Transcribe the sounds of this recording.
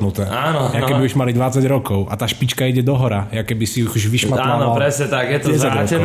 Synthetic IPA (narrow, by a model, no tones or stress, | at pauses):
nut̪ɛːanɔjakɛbiuʃmalid̪vat͡saɟɾɔkowʔa̰t̪aʃpit͡ʃkajɛɟɛd̪oɦɔɾajakɛbɪsiuxuʒviʃmat̪lːanalpɾɛsɲɛt̪akjɛt̪oɛt͡saɾɔɛ